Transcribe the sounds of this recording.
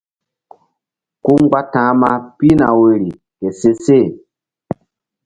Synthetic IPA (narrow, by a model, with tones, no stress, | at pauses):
ku˦ŋ˦ɡ͡ba˦tã˨˦ma˦pi˦na˨we˨ɾi˨ | ke˨se˦se˦˨